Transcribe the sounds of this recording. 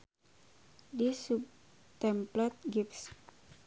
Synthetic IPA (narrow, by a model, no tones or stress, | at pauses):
disup̚ | t̪ɛmplɛt̪̚ɡips